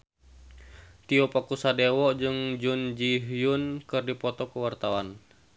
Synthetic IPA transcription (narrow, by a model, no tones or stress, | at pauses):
t̪iɔpakusadɛwɔd͡ʒɨŋd͡ʒund͡ʒiɦjunkɨrdipɔt̪ɔkuwart̪awan